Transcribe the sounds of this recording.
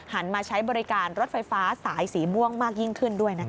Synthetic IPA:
ha˩˦nmaː˧t͡ɕʰa˦˥jbɔː˧ɾi˦˥kaː˧nɾo˦˥t̪̚fa˧jfaː˦˥saː˩˦jsiː˩˦mu˥˩əŋmaː˥˩k̚ji˥˩ŋkʰɯ˥˩ndu˥˩əjna˦˥

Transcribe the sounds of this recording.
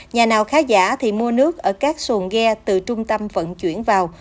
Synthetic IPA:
ɲaː˨˩naː˨˩wxaː˨˦za̰ː˧˥t̪ʰi˨˩mu˧ənɨ˦˥ək̚ʔəː˧˩kaː˦˥k̚su˨˩əŋɣɛ˧t̪ɨ˨˩t͡ɕʊ˧ŋ͡mt̪ə˧mvə̰˧˨nt͡ɕwḭ˧˩ənvaː˨˩w

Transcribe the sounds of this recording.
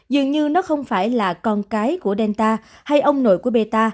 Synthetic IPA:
zɨ˨əŋɲɨ˧nɔ˨˦xə˧wŋ͡mfaː˧˩jlaː˨˩kɔ˧nkaː˨˦jku˧˩əɗɛ˧nt̪aː˧ | ha˧jʔə˧wŋ͡mno̰˧˨jku˧˩əɓe˧t̪aː˧

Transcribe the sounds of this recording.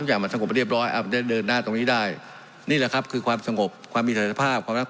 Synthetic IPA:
kjaː˨˩ŋma˧nsa˧ŋo˨˩p̚ɾi˥˩əp̚ɾɔː˦˥jʔa̰˨˩m˧˩da˥˩dɤː˧nːaː˥˩t̪o˧ŋniː˦˥˩daː˥˩j | niː˥˩lɛ˨˩kʰa˦˥p̚kʰɯː˧kʰwaː˧msa˧ŋo˨˩p̚kʰwaː˧mːiː˧sa˧˩˨a˧pʰaː˥˩p̚kʰwaː˧mna˥

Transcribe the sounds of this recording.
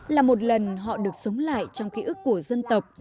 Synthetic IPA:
laː˨˩mo˨˩t̚lə˨˩nɦɔ̰˧˨ɗɨ˨˩ək̚sə˨˦wŋ͡mla̰ː˧˨jt͡ɕɔ˧wŋ͡mki˧˦ʔɨ˦˥kːu˧˩əzə˧nt̪ə˨˩wk͡p̚

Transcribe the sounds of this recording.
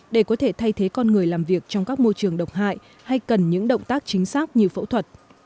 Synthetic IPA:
ɗe˧˩kɔ˨˦t̪ʰe˧˩t̪ʰa˧jt̪ʰe˨˦kɔ˧nŋɨ˨˩əjlaː˨˩mvi˨˩ək̚t͡ɕɔ˧wŋ͡mkaː˦˥k̚mo˧jt͡ɕɨ˨˩əŋɗə˨˩wk͡p̚ɦa̰ː˧˨j | ha˧jkə˨˩nɲɨ̰˧˥ŋɗə̰˧˨wŋ͡mt̪aː˦˥k̚t͡ɕï˨˦ŋ̟saː˦˥k̚ɲi˨˩əwfə̰˧˥wt̪ʰwə˨˩t̚

